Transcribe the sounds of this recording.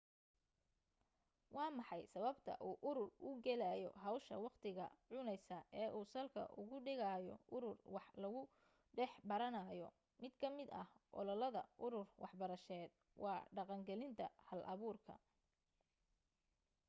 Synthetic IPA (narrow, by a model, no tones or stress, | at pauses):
wɑːmɑħɑjsɐβɐbt̪ʰɐ̰ʔuːʔʊɾʊrʊɡɛlaːjɔ̰ɦɐwʃɐwɑqt̪ʰɪɣɐ̰ʕʊnɛjsɐʔɛːʔuːsɐlkʰɐ̰ʔʊ̰ɣʊɖɪɣaːjɔ̰ʔʊɾʊrwɑħlɐɣʊ | ɖɛħbɐɾɐnɐjɔ | mɪd̪kʰɐmɪd̪ɐhʔɔ̰lɔlɐðɐʔʊɾʊrwʔɑħbɐɾɐʃɛːd̪̥̚ | wʔɑːɖɑqɑŋɡɛlɪnt̪ʰɐhɐlʔɐβuːrkʰɐ̰